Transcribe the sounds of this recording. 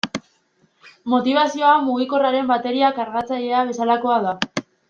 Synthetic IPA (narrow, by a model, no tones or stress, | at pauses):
mo̞t̪iβ̞asio̞amuɣ̞iko̞raɾe̞mbat̪e̞ɾiakaɾɣat͡saʎe̞aβ̞e̞salako̞aða